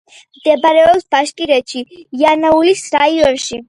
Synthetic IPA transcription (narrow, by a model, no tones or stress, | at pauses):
md̪̥ɛbaɾɛɔpsbaʃkʼiɾɛt̪ʃiianaulisɾaiɔnʃi